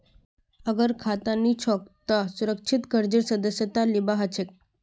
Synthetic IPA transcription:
əɡəɾkʰat̪anːit͡ɕʰɔk̚t̪əsuɾək̚t͡ʃʰit̪kəɾd͡ʑiɾsəd̪əsjət̪alibaɦət͡ɕʰek̚

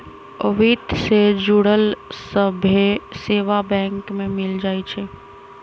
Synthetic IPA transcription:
əʋit̪sed͡ʒuɽəlsəbʱeseːʋabɛ̃ŋkmẽmɪld͡ʒaːjt͡ʃʰɛ

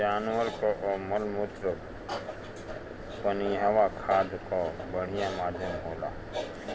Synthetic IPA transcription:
aːnʋəɾkoʔməlmʊt̪ɾə | pəniɦəʋakʰaːd̪kobəɽ̤ijamaːd̪ʱjəmɦoːla̰ː

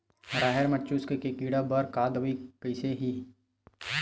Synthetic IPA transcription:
ɾaːɦeɾmətːt͡ʃːuːskekekiːɽabəɾkaːd̪ʋikəɪseɦi

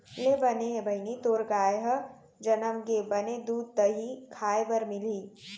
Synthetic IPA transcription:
lebəneɦebʱəɪnit̪oɾɡaeɦə | d͡ʒənəmɡebəned̪uːd̪̚t̪əɦikʰaebəɾmili

